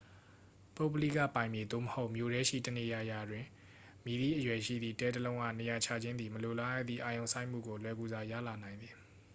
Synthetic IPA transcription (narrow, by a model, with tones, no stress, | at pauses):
po˦˨bəlḭ˦˨ka̰˦˨pã˨ɪ̃mje˨d̪o̰˦˨məho˦ʊʔmjo˨ɾɛ˦ʃḭ˦˨tə˨ne˨ja˨ja˨dwɪ̃˨ | mi˦d̪i˦˨ʔəjwɛ˨ʃḭ˦˨d̪ðḭ˦˨tɛ˦dəlõ˦ʊ̃ʔa̰˦˨ne˨ja˨t͡ɕʰa˨d͡ʑɪ̃˦nd̪i˨məlo˨la˦ja̰˦˨d̪ðḭ˦˨ʔa˨jõ˨ʊ̃nsʰã˦ɪ̃m̥ṵ˦˨ɡo˨lwɛ˨˦˨ɡu˨za˨jä̰˦˨la˨nã˨ɪ̃nd̪ði˨